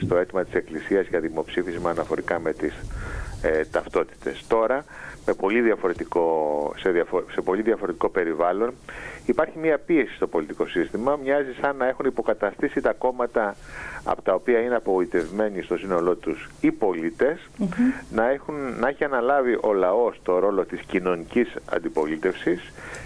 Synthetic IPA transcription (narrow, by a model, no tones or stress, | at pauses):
st̪o̞e̞t̪imɐt̪i̥se̞klisiɐzʝɐðimo̞psifizmɐːnɐfo̞ɾikɐme̞t̪is | t̪ɐft̪o̞t̪i̥t̪e̞̰st̪o̞ɾɐme̞po̞liðiɐfo̞ɾe̞t̪iko̞seðiɐfose̞po̞liðɐfo̞ɾe̞t̪i̥ko̞pe̞ɾivɐlo̞nipɐɾçimiɐpie̞si̥st̪o̞po̞lit̪iko̞sist̪imɐmɲɐzisɐnːɐe̞xunipo̞kɐt̪ɐst̪isit̪ɐko̞mɐt̪ɐɐ̰po̞̥t̪ɐo̞piɐineɐpo̞ɣoit̪e̞vme̞nist̪o̞sino̞lo̞t̪usipo̞lit̪e̞snɐexunnɐe̞çiɐnɐlɐviʔo̞lɐo̞st̪o̞ɾo̞lo̞t̪iscino̞nicisɐ̰nd̪ipo̞lit̪e̞fsis